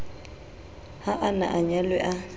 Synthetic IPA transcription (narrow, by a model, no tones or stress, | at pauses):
haʔana̰ʔaɲalwɛʔa